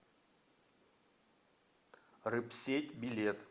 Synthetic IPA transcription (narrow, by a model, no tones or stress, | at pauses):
rɨpsʲetʲbʲɪlʲet̪